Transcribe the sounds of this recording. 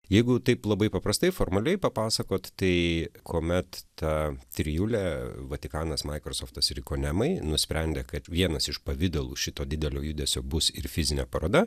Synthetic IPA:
jɛɪɡʊt̪ɐɪplˠɐbɐɪpɐpɾɐst̪ɐɪfoːɾmɐlʲɛɪpɐpɑːsɐkoːt̪t̪ɐɪkʰoːmʲɛt̪t̪ɐt̪ʲɾʲɪjuːlʲæʋɐt̪ʲɪkɑːnɐsmɐɪkɾosoːft̪ɐsɪɾʲɪkoːnʲɛmɐɪnʊsʲpʲɾʲɛnʲd̪ʲeːkɐt̪ʋʲiɛnɐsɪʃpɐʋʲɪd̪ɛlˠuːʃʲɪt̪oːd̪ʲɪd̪ʲɛlʲoːjud̪ʲɛsʲoːbʊsɪɾfʲɪzʲɪnʲɛ̰ːpɐɾoːd̪ɐ

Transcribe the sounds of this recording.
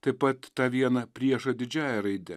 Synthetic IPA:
t̪ɐɪpɐt̪t̪ɑːʋʲiɛnɐpʲɾʲiɛʃɐd̪ʲɪd͡ʒʲæːjɛɾɐɪd̪ʲɛ

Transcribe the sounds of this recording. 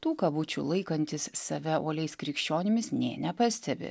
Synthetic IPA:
t̪uːkɐbʊt͡ʃʲṵlˠɐɪkɐnʲt̪ʲɪssɐʋʲɛoːlʲɛɪskɾʲɪkʃʲt͡ʃʲoːnʲɪmʲɪsnʲeːnʲɛpɐsʲt̪ʲɛbʲɪ̰

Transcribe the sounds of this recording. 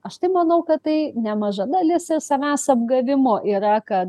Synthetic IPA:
ɐʃt̪ɐɪmɐnɐʊkɐtt̪ɐɪnʲɛmɐʒɐd̪ɐlʲɪsɪɾsɐmʲæːsɐbɡɐʋʲɪmoːʔiːɾɐkɐt

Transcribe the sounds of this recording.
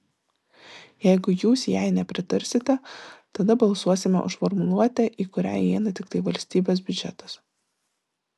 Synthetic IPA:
jɛɪɡʊjuːsjæˑɪnʲɛpʲɾʲɪt̪ɐɾʲsʲɪt̪ʲɛt̪ɐd̪ɐbɐlˠsuɔsʲɪmʲɛ̰ʔʊ̰ʃfɔɾmʊlˠuɔt̪ʲɛʔiːkʊɾʲæ̰ːjiɛnɐt̪ʲɪkt̪ɐɪʋɐlʲsʲt̪ʲiːbʲoːs̬bʲʊd͡ʒʲɛ̰t̪ɐs

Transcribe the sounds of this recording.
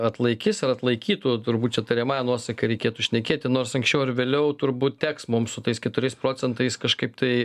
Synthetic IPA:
ɐt̪lˠɐɪkʲɪsɐɾɐt̪lˠɐɪkʲiːt̪ut̪ʊɾbuːt̪̚t͡ʃʲɛt̪ɐɾʲɛmɑːjɛnuɔsɐkɐɾʲɛɪkʲeːt̪uʃʲnʲɛkʲeːt̪ʲɪnoːrsɐŋksʲt͡ʃʲɛʊɪrʋʲeːlʲɛʊt̪ʊɾbuːt̪̚tʲæːksmʊmsʊt̪ɐɪskʲɛt̪ʊɾʲɛɪspɾoːt͡sʲɛnt̪ɐɪskɐʃkɐɪpt̪ɐɪ

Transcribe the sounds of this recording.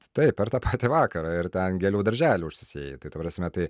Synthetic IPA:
t̪ɐɪp̚pʲɛɾt̪ɑːpɑːt̪ʲɪʋɑːkɐɾɑɪɾt̪ʲɛnɡʲɛlʲuːd̪ɐɾʲʒʲæːlʲuːʊʃʲsʲɪsʲeːjɛt̪ɐɪt̪ɐpɾɑsʲmʲɛt̪ɐɪ

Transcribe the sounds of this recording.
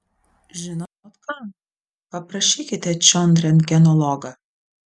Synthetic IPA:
ʒʲɪnɔt̪ɔt̪kɑn | pɐpɾɐʃʲiːkʲɪt̪ʲɛt͡ʃʲɔnd̪ɾʲɛnkʲɛnɔlˠɔɡɐ

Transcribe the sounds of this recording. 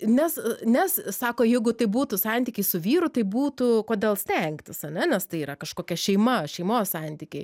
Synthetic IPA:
nʲɛsnʲɛssɑːkoːjɛɪɡʊt̪ɐɪbuːt̪ʊsɑnʲt̪ʲiːkʲɛɪsʊʋʲiːɾʊt̪ɐɪbuːt̪ʊkoːd̪ʲeːlˠsʲt̪ʲɛŋkt̪ʲɪsɐnʲɛnʲɛst̪ɐɪiːɾɐkɐʃkoːkʲɛʃʲɛɪmɐʃʲɛɪmoːssɑnʲt̪ʲiːkʲeɪ

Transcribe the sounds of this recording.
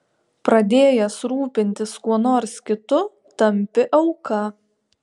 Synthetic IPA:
pɾɐd̪ʲeːjɛsɾuːpʲɪnʲt̪ʲɪskuɔnoːɾskʲɪt̪ʊ | t̪ɐmʲpʲɪʔɐʊkɐ

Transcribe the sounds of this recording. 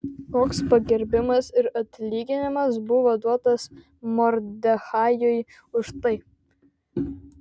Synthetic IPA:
k̪oːkspɐɡʲɛɾʲbʲɪmɐsɪɾɐt̪ʲlʲiːɡʲɪnʲɪmɐsbʊʋoːd̪uɔt̪ɐs | mɔɾʲd̪ʲɛxɑːjʊj | ʊʃt̪ɐɪ

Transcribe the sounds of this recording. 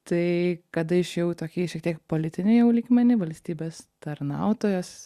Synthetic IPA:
t̪ɐɪkɐd̪ɐɪʃjɛʊt̪oːkʲiːʃʲɛk̚t̪ʲiɛk̚poːlʲɪt̪ʲɪnʲɛɪjɛʊlʲiːɡmʲɛnʲɪʋɐlʲsʲt̪ʲiːbʲeːst̪ɐɾnɐʊt̪oːjos

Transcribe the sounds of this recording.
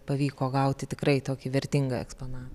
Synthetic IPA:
pɐʋʲiːkoːɡɐʊt̪ʲɪt̪ʲɪkɾɐɪt̪oːkʲɪʋʲɛɾʲt̪ʲɪŋɡɐɛ̰ksponɑːʋʲ

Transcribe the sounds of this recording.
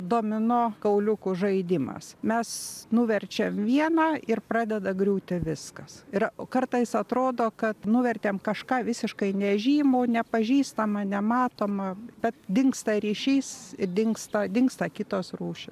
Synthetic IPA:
d̪oːmʲɪnoːkɐʊlʲʊkʊʒɐɪd̪ʲɪmɐ̰smʲɛsnuʋʲɛrʲt͡ʃʲeːmʋʲiɛnɑːɪrpɾɑːd̪ʲɛd̪ɐɡɾʲuːt̪ʲɪʋʲɪskɐsɪɾkɐrt̪ɐɪsɐt̪ɾoːd̪oːkɐt̪nuʋʲɛrʲt̪ʲeːmkɐʃkɑːʋʲɪsʲɪʃkɐɪnʲɛʒʲiːmʊːnʲɛpɐʒʲiːst̪ɐmɐnʲɛmɑːt̪oːmɐb̥ʲɛt̪dʲɪŋkst̪ɐɾʲiːʃʲiːsɪd̪ʲɪŋkst̪ɐd̪ʲɪŋkst̪ɐkʲɪt̪oːsruːʃʲɪs

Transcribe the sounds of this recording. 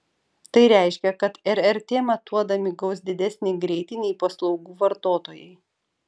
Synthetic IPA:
t̪ɐɪɾʲæˑɪʃʲkʲɛkɐt̪ɛɾɛɾt̪ʲeːmɐt̪uɔd̪ɐmʲɪɡɒʊs̬d̪ʲɪd̪ʲɛsʲnʲɛɪɡɾʲɛɪt̪ʲɪnʲɛɪpɐslˠɒʊɡuːʋɐɾt̪oːt̪oːjɛɪ

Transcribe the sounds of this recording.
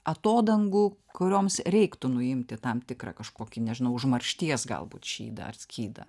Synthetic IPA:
ɐt̪oːd̪ɐŋɡʊːkʊɾʲoːmsɾʲɛɪkt̪ʊnʊɪmʲt̪ʲɪt̪ɐmt̪ʲɪkɾɐ̰kɐʃkoːkʲɪnʲɛʒʲɪnɐʊʊʒmɐrʲʃʲt̪ʲiɛsɡɐ̰lˠbṵːt̪ʃʲḭːd̪ɐ̰ɐ̰rsʲkʲiːd̪ɐ̰

